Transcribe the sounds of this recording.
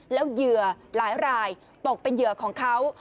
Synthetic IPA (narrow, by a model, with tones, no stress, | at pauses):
lɛ˨˦˥wzɨ˨˩ə | laː˨˦jɾaː˨˩j | t̪o˨˩k̚pe˧nzɨ˨˩˨əkɔː˧˦ŋkʰa˨˦˥w